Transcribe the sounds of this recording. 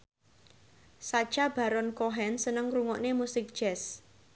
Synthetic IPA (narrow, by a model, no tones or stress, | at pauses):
sad̥ʒ̥ab̥a̤ɾɔnkoɦɛnsənəŋɾuŋɔʔnemusɪk̚d̥ʒ̥ɛs